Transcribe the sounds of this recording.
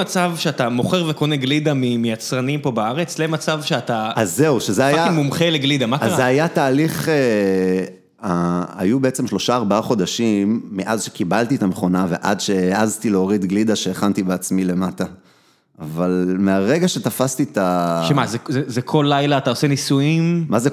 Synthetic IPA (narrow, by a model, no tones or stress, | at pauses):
at͡savʃeat̪amoχeʁveko̞neɡlid̪amimejat͡sʁanimpo̞baaʁet͡slemat͡savʃeat̪aazːe̞uʃezeajamumχeleɡlid̪amaazːeajataːliχe | aa̰jubeet͡semʃlo̞ʃaːʁbaaχo̞d̪aʃimːeʔazʃe̥kibalt̪iet̪ameχo̞nave̞̰ʔadʃeazt̪ileoʁid̪ɡlid̪aʃe̞ːχant̪ibeat͡smile̞mata | ʔavalmeaʁe̞ɡaʃe̞t̪afast̪it̪aʃemazezezekʰo̞lːajlaːt̪aosenisuimmaze